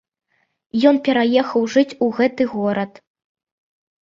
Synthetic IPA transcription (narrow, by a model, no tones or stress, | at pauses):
jɔnpʲɛɾajɛxɐwʐɨt͡sʲuɣɛt̪ɨɣɔɾɐt̪